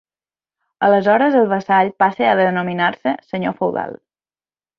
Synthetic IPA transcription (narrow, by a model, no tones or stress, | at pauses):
ələzɔɾəzəlˠβəsaʎpasəəðənominarsəsəɲo̰fəwða̰lˠ